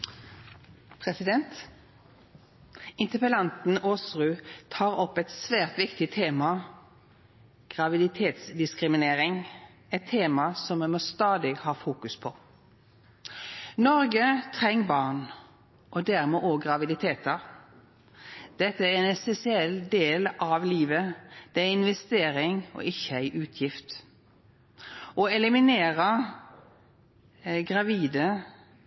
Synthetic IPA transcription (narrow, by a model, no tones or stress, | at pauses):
pʰʁɛsɪd̪ɛnt̪ | ɪnt̪əpəlɑnt̪n̩oːsʁʉːt̪ʰɑːʁɔpːɛt̪sʋæːʁt̪ʋɪkt̪ɪt̪ʰeːmɑ | ɡ̥ʁɑʋɪd̪ɪt̪ʰeːt̪sd̪ɪskʁɪmɪneːɾɪŋ | ɛt̪ʰːeːmɑsɔmːɛmɔst̪ɑːd̪ɪhɑːfuːkʉspʰɔ | nɔʁɡət̪ʰʁɛŋːbɑʁɳ | ʔɔd̪æʁmɛːʔɔːɡʁɑʋɪd̪ɪt̪ʰeːt̪ɑ | d̪̥ɛt̪ːəɛnɛsɛsɪɛld̪eːlʔɑʋliːʋəd̪̥ɛæɪnʋɛst̪eːɾɪŋɔ̰ʔɪçːəæɪʔʉːt̪ʰjɪft̪ | ʔɔɛlɪmɪneːʁə | ɡʁɑʋiːd̪ə